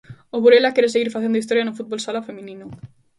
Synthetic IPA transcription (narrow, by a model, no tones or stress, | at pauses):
oβuɾelakeɾes̬eɣiɾfaθend̪ʊist̪oɾjanʊfut̪̚bolsalafemĩnĩnʊ